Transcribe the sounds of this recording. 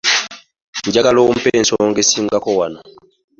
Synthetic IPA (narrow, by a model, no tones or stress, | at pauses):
ɲɟaɡaloːm̩peːnsoːŋɡesiːŋɡakowano